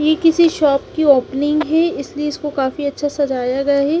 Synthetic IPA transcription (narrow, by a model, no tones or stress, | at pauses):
jeːkɪsiʃɔːpkioːpnɪ̃ŋɡɦɛɪslieɪskokaːfiɐtːʃʰasɐd͡ʒaːjaɡɐjaɦɛː